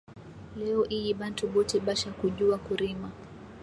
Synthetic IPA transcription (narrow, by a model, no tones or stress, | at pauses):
lɛɔʔijiɓantuɓɔtɛɓaʃakuʄuakuɾima